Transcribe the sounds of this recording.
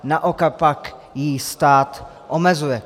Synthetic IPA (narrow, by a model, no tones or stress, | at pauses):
naʔokak̚pak | jist̪aːt̪ | ʔomɛzujɛ